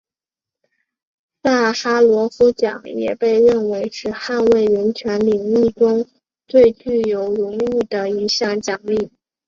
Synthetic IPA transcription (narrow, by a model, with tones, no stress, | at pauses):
sa˥˩xa˥lwɔ˧˥fu˥t͡ɕjɑ̰˨˩˦ŋjɛ̰˨˩pe˥˧ɪɻə˥˩nwe˧˥ɪʂɻ̩˥˧xa˥˧nwe˥˩ɪɻə˧˥nt͡ɕʰɥɛ˧˥nli˨˩ŋi˥˩ʈ͡ʂʊ˥ŋ | t̪we˥˧ɪt͡ɕy˥˩jo˧˥ʊɻʊ˧˥ŋy˥˩d̪ə˩i˧˥ɕjɑ˥˩ŋt͡ɕjɑ˨˩ŋli˥˩